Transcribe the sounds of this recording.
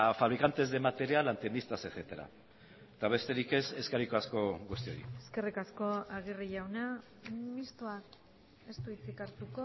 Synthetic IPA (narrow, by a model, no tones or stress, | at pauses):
faβ̞ɾikant̪e̞zðemat̪e̞ɾialant̪end̪ist̪ase̞θe̞t̪aɾa̰ | t̪aβ̞e̞st̪e̞ɾike̞se̞skarikoasko̞ɣust̪io̞̰ɾḭeske̞rikasko̞aɣ̞iriʝawna | mist̪uak | e̞st̪uit͡sikaɾt̪uko̞